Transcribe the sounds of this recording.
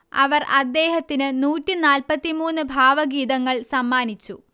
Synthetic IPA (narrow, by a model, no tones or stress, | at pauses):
ɐ̰ʋɐrɐd̪ːe̞ːhɐt̪ːinɨnuːtːɨnaːlpɐt̪ːimuːnːɨbʱaːʋɐɡiːðɐŋːɐɭsɐmːaːnit͡ɕːṵ